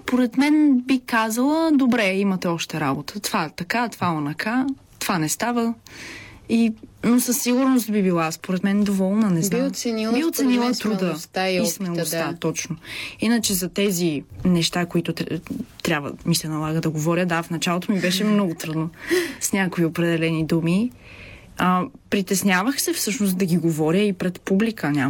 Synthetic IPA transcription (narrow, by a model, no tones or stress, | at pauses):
spoɾɛt̪mɛnbikazəlˠəd̪obɾɛimɐt̪ɛɔʃt̪ɛɾabot̪ə̥t̪ovaɛt̪ɐkat̪ovalˠɐnɐkʰa | t̪ovanɛst̪avə | inosɐsːiɡʊɾnost̪bibilˠaspoɾɛt̪mɛnd̪ovɔlˠnənɛsniosɛnibiot̪sɛnilˠət̪ɾud̪əst̪aismɛnost̪at̪ɔt͡ʃnoinət͡ʃɛzɐt̪ɛzinɛʃt̪akoit̪ʊt̪t̪ɾʲabvə̰misɛnɐlˠaɡəd̪ɐɡovɔɾjəd̪afnɐt͡ʃalˠot̪omibɛʃɛmnɔɡʊt̪ɾud̪nəsnʲakoiopɾɛd̪ɛlɛnid̪umi | əpɾit̪ɛsnʲavəxsɛfsɤʃnosd̪ɐɡʲiɡovɔɾʲjəipɾɛt̪publikənʲa